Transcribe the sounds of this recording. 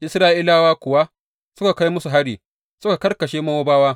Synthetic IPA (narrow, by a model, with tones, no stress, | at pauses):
ʔɪ˦sɾaː˦ʔiː˦laː˦waː˦kʷʊ˨wa˦ | sʊ˦ka˨ka˦jmʊ˦su˨ɦa˦ɽiː˨ | sʊ˦ka˨kɐ˦rkɐ˨ʃeː˦mɐ˦woː˦baː˦waː˦